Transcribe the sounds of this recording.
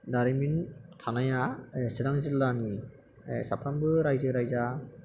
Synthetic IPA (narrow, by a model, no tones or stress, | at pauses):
daɾɯmintʰanajasɯdaŋzilːani | esapʰɾambɯɾajzɯɾajza